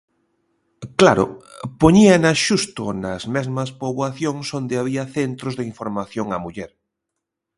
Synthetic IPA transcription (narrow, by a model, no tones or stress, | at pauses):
klaɾʊ̰poɲianaʃust̪o̰nɐzmezmɐspoβwaθjoŋsond̪eaβ̞iɐθent̪ɾozðeiɱfoɾmaθjoŋamuʎɛɾ